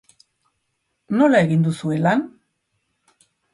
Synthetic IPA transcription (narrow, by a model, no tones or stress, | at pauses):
no̞lae̞ɣind̪usue̞lan